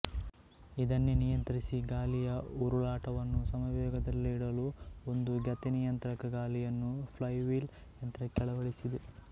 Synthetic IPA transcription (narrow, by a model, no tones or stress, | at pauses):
id̪ɐnːenijɐnt̪ɐɾisiɡaːlijɐuɾuɭaːʈɐʋɐnːusɐmɐʋjɔːɡɐd̪ɐlːiːɽɐluond̪uɡɐt̪enijɐnt̪ɾɐkɐɡaːlijɐnːupʰlɐjʋiːl | ɐnt̪ɾɐkɛɭɐʋɐɭisid̪e